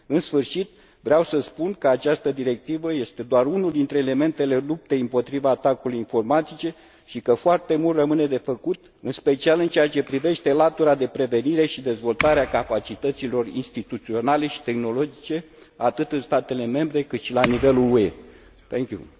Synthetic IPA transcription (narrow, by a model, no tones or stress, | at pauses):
ɨnsfɨrʃit̪̚ | vɾeawsəspunkəat͡ʃast̪əd̪iɾe̞k̚t̪ivəje̞st̪e̞d̪oarunuld̪int̪ɾe̞ːle̞me̞nt̪e̞le̞lup̚t̪e̞impo̞t̪ɾivaːt̪akulujinfo̞rmat̪it͡ʃe̞ | ʃikəfoart̪e̞mult̪rəmɨne̞d̪e̞fəkut̪ | ɨnspe̞t͡ʃialɨnt͡ʃeat͡ʃe̞pɾive̞ʃt̪e̞lat̪uɾad̪e̞pɾe̞ve̞niɾe̞ʃid̪e̞zvo̞lt̪aɾeakapat͡ʃit̪ət̪silo̞rḭnst̪it̪ut̪sio̞nale̞ʃi̥t̪e̞xno̞lo̞d͡ʒit͡ʃe̞ | at̪ɨt̪ɨnst̪at̪e̞le̞me̞mbɾe̞kɨt̪ʃilanive̞lulue̞̰ | t̪eŋkʲjṵ